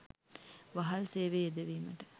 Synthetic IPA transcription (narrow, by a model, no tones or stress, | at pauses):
ʋaɦɐlseːʋeed̪eʋiːməʈə